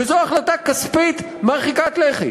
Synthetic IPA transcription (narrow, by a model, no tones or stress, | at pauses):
ezoaχlat̪akːaspit̪ | maʁχikat̪leχḭ